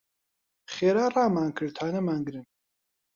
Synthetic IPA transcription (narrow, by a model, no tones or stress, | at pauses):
χɛɾaraːmaŋkʰəɾt̪ʰanɛmaŋɡɾin